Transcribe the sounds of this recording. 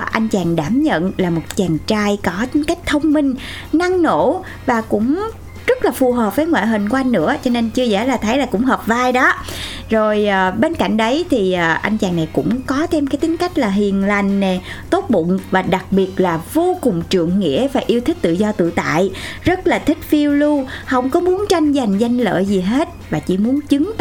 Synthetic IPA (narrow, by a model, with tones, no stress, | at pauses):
ʔa˧jŋ̟t͡ɕaː˨˩ŋɗaː˧˩mɲə̰˧˨nlaː˨˩mo˨˩t̚t͡ɕaː˨˩ŋt͡ɕaː˧jkɔ˨˦t̪ï˨˦ŋ̟ka˦˥jk̟̚t̪ʰə˧wŋ͡mmï˧ŋ̟ | na˧ŋno̰˧˩˥ | vaː˨˩kʊ̰˧˥ŋ͡m | zə˦˥t̚laː˨˩fu˨˩ɦəː˨˩p̚vəː˨˦jŋwa̰ː˧˨jɦï˨˩ŋ̟kʔa˧jŋ̟nɨ̰˧˥ət͡ɕɔ˧ne˧nt͡ɕɨ˧əzɛ̰ː˧˩laː˨˩t̪ʰə˨˦jlaː˨˩kʊ̰˧˥ŋ͡mɦəː˨˩p̚vaː˧jɗɔ˨˦ | zo˨˩jːɓe˧nka̰˧˩jŋ̟ɗə˨˦jt̪ʰiː˨˩˨ʔa˧jŋ̟t͡ɕaː˨˩ŋna˨˩jkʊ̰˧˥ŋ͡mkɔ˨˦t̪ʰe˧mkaː˨˦jt̪ï˨˦ŋ̟ka˦˥jk̟̚laː˨˩ɦi˨˩ənla˨˩jŋ̟ne˨˩t̪o˦˥t̚ɓʊ̰˧˨ŋ͡mvaː˨˩ɗa˨˩k̚ɓi˨˩ət̚laː˨˩vo˧kʊ˨˩ŋ͡mt͡ɕɨ̰˧˨əŋːḭ˧˥əvaː˨˩ʔi˧əwt̪ʰï˦˥k̟̚t̪ɨ̰˧˨zɔ˧t̪ɨ̰˧˨t̪a̰ː˧˨jzə˦˥t̚laː˨˩t̪ʰï˦˥k̟̚fi˧əwlu˧hə˧wŋ͡mkɔ˨˦mu˨˦ənt͡ɕa˧jŋ̟za˨˩jŋ̟za˧jŋ̟lə̰ː˧˨jzi˨˩ɦe˦˥t̚vaː˨˩t͡ɕḭ˧˩mu˨˦ənt͡ɕɨ˨˦ŋ